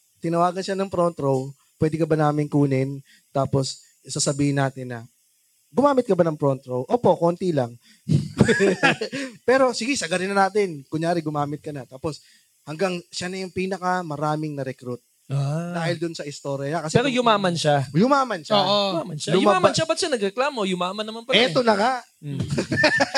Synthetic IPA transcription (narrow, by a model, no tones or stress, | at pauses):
t̪ɪnɐwaːɡɐnʃanɐŋpɾont̪ɾow | pwɛːd̪ɪkɐbɐnaːmɪŋkuːnɪn | t̪aːpo̞s | sasɐbiːhɪnːaːt̪ɪnːɐ | ɡʊmaːmɪt̪̚kɐbanɐŋpɾont̪ɾowʔoːpo̞kont̪ilɐŋ | pɛːɾo̞sɪɡɛsɐɡɐɾɪnɐnaːt̪ɪnkʊɲjaːɾɪɡʊmaːmɪt̪̚kɐnɐt̪aːpo̞s | hɐŋɡaŋʃanɐjʊŋpiːnɐkɐmɐɾaːmɪŋnɐɾɛkɾut̪̚ | ad̪aːhɪld̪ʊnsɐʔɪst̪o̞ɾjɐɲɐkɐsɛɛɾojʊmaːmɐnʃajʊmaːmɐnʃaːʔomamɐnʃaʊʊmaaːmɐnʃabɐt̪ʃanɐɡɾɛklaːmo̞jʊmaːmɐnːɐmanpɐɛt̪onɐŋaʔ